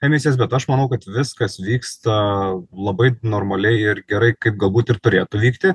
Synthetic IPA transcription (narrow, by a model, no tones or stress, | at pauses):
ɛmʲɪsʲeːs̬bʲɛt̪ɐʃmɐnɐʊkɐt̪ʋʲɪskɐsʋʲiːkst̪ɐlˠɐbɐɪnoːɾmɐlʲɛɪɪɾɡʲɛɾɐɪkɐɪp̚ɡɐlˠbuːt̪ɪɾt̪ʊɾʲeːt̪ʊʋʲiːkt̪ʲɪ